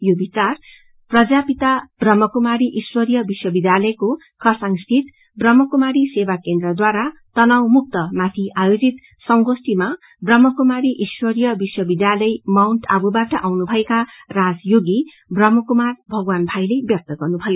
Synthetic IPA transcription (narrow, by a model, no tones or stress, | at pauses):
jobit͡sar | prʌd͡zapit̪ab̥rʌmːʌkumaɾiʔswʌɾijʌbiswʌbid̪jalʌjko | kʰʌsaŋst̪ʰit̪ | brʌmːʌkumaɾisebakend̪rʌd̪waɾat̪ʌnawmuk̚t̪ʌmat̪ʰiʔajod͡zit̪ | sʌŋɡosʈ̪ima | brʌmːʌkumaɾiʔiswʌɾijʌbiswʌbid̪jalʌjmawɳʈabubaʈʌʔawnubʱʌekarad͡zjoɡi | brʌmːʌkumarbʱʌɡwanbʱajlebjʌk̚t̪ʌɡʌrnubʱʌjo